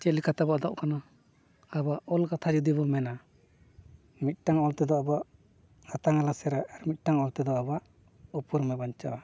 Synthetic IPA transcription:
t͡ʃɛlikʰat̪abaʔd̪aʔkana | abaʔɔlkat̪ʰad͡ʒud̪ibɔlmɛna | mit̪̚ˀʈaŋɔlt̪ɛd̪ɔabaʔ | hat̪aŋalasɛɾaaɾmit̪̚ˀʈaŋɔlt̪ɛd̪ɔabaʔ | upuɾmɛbaɲt͡ʃaa

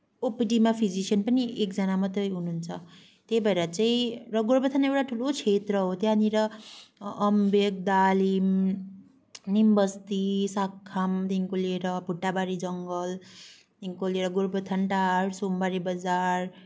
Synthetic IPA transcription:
opiʈimapʰid͡zisʌnpʌniekd͡zʌnamʌt̪rʌjɦununt͡sʰʌ | t̪ebʱʌeɾʌt͡saĩrʌɡoɾbʌt̪ʰanewʈaʈʰulot͡sʰet̪rʌɦot̪janiɾʌː | mbek̚d̪alim | nimbʌst̪isakʰːamt̪iŋkoleɾʌpuʈːabaɾid͡zʌŋɡʌl | t̪iŋkoleɾʌɡuɾbʌt̪ʰanʈarsombaɾibʌd͡zar

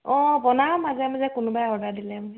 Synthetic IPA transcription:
ɔbɔnamazɛmazɛkʊnʊbajɔdadilɛm

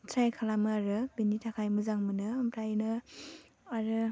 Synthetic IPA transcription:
tʰɾajkʰalamɯaɾɯbinitʰakʰajmɯzaŋmɯnɯːmpʰɾajnɯ | aɾɯ

